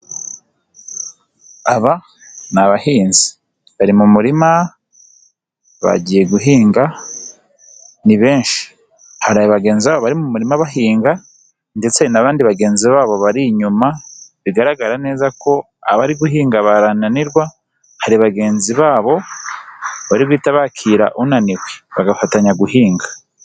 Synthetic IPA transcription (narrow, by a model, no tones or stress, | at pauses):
aβa | naβahiːnzi̥ | βaɾimumuɾima | βa̰ɟije̞ɡuɦiːŋɡa | niβe̞ːnʃi̥ | haɾajβaɡe̞ːnziβaβoβaɾimumuɾimaβaɦiːŋɡa | nde̞t͡se̞naβaːndiβaɡe̞ːnziβaːβo̞βaɾiɲumaβiɡaɾaɡaɾane̞ːzako̞ | a̰βaɾiɡuɦiːŋɡaβaɾananiɾɡwa | haɾiβaɡe̞ːnziβaːβo̞ | βaɾiɡwiːtaβakʰiɾa̰ʔunaniweβaɡafataɲaɡuhiːŋɡa